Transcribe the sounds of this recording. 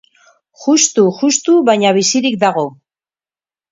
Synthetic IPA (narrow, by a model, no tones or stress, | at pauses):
ʝust̪uʝust̪uβaɲaβ̞isiɾik̚d̪aɣo̞